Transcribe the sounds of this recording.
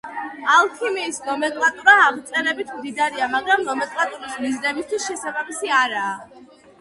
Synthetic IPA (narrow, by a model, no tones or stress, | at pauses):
alˠkʰimiːsnɔmɛkʼlˠat̪ʼuɾaːʁt̪sʼɛɾɛbit̪ʰmd̪id̪aɾiamaɡɾamnɔmɛkʼlˠat̪ʼuɾismiznɛmist̪ʰwisʃɛsabamisiaɾaː